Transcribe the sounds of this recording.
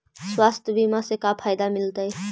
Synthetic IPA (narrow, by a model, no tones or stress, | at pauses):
swast̪ʰəbimãsekapʰajd̪amilt̪əj